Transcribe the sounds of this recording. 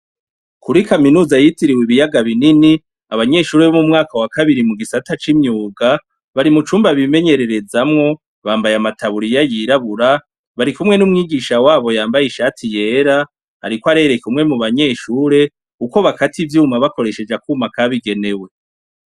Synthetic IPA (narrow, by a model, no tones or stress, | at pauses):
kuɾikaminuːzajitiɾiwiβijaɡaβinini | aβaɲe̞ʃuːɾe̞βomumŋaːkawakaβiɾimuɡisatat͡ʃimɲuːɡa | βaɾimut͡ʃuːmbaβime̞ɲe̞ɾe̞ɾe̞zamŋo̞ | βaːmbajamatʰaβuɾijajiɾaβuɾa | βaɾikumŋe̞numŋiːɡiːʃawaːβo̞jaːmbajiʃaːtʰije̞ːɾa | ha̰ɾikoaɾe̞ɾe̞kumŋe̞muβaɲe̞ːʃuːɾe̞ | uko̞βakativjuːmaβako̞ɾe̞ʃe̞d͡ʒakumakaβiɡe̞ne̞we̞